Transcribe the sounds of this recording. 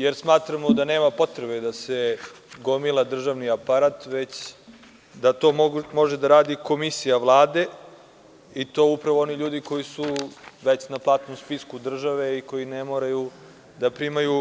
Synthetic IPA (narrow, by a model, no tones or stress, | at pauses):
jeɾsmaːt̪ɾamod̪ane̞ːmapo̞t̪ɾebed̪ase̞ | ɡomilˠad̪r̩ʒaʋniapaɾaːt̪ʋe̞t͡ɕ | d̪at̪o̞ːmo̞ʒed̪aɾaːd̪iko̞misijaʋlˠaːd̪e̞ | it̪o̞ːupɾaʋoo̞niʎuːd̪iko̞jisuʋe̞t͡ɕnaplˠaːt̪nomspiskud̪r̩ʒaʋe̞iko̞jinemoːɾaju | d̪apɾimaju